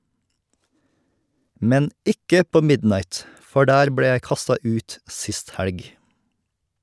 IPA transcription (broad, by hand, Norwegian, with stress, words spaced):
ˈmɛn ˈɪkə ˈpoː ˈmɪdnɑɪt ˈfɔ ˈɖæːɾ ˈbɽeː ˈjæɪ ˈkɑstɑ ˈʉːt ˈsɪst ˈhælɡ